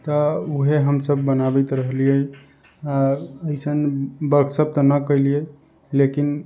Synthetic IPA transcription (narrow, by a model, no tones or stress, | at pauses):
t̪ɔuɦeɦəmsəbːənabəɪt̪ɾəɦlijə | aəisənbəɾkʰsəb̚t̪ənəkəilije | lekin